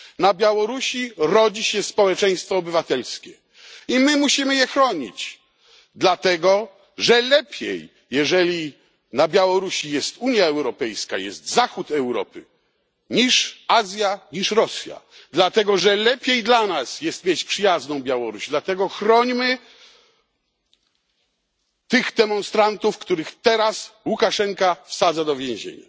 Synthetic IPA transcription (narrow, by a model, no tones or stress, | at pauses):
nabʲjawɔɾuɕiɾɔd͡ʑiɕɛspɔwɛt͡ʂɛj̃st̪fɔːbɘvat̪ɛlskʲɛ | imɘmuɕimɘjɛxɾɔɲḭt͡ɕ | d̪lat̪ɛɡɔ | ʐɛlɛpʲjḛjː | ɛʐɛlʲi | nabʲjawɔɾuɕijɛst̪uɲjaɛwɾɔpɛjska̰jɛ̰st̪zaxut̪ɛwɾɔ̰pɘ̰ | ɲiʂazʲjaɲiʂɾɔsʲja̰d̪lat̪ɛɡɔʐɛlɛpʲjejd̪lanasjɛst̪mʲjet͡ɕpʂɘjaznɔ̃w̃bʲjawɔɾuɕd̪lat̪ɛɡɔxɾɔɲmɘ | t̪ɪɣd̪ɛmɔ̃nst̪ɾant̪ufkt̪uɾɘxt̪ɛɾaswukaʂɛŋkafsad̪zad̪ɔvʲjɛ̃ʑḛɲa̰